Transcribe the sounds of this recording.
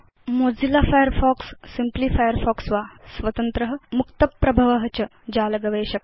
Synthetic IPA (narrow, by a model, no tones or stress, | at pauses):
mod͡zilafajəɾfɔksːimplifajəɾfɔksʋasʋɐt̪ɐnt̪ɾəɦ̆mukt̪ɐpːɾɐbʱɐʋɐɦət͡ɕɐ | d͡ʑaːlɐɡɐʋeːɕɐk